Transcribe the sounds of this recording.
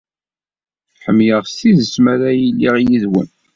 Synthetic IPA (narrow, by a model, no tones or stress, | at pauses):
ħəmːjəʁstiðəsmæɾæjəlːiʁjiðwə̰n